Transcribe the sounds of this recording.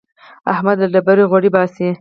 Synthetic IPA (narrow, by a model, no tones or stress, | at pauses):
a̰hmad̪ad̪abaɾoɣwaɽibɑsi